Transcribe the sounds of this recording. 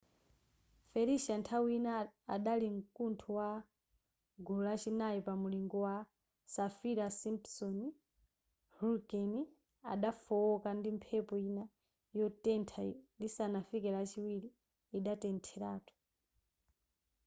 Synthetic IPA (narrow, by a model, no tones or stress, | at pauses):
fɛɾiʃantʰawiinaːɗaliŋ̩kuntʰuwa | ɡulat͡ʃinajipamuliŋɡɔwa | safiɾasimpsɔni | hulkɛni | a̰ɗafɔɔkandimpʰɛpɔina | jɔtɛntʰandisanafikɛɾat͡ʃiwiɾiː | ɗatɛntʰɛɾaːtʰu̥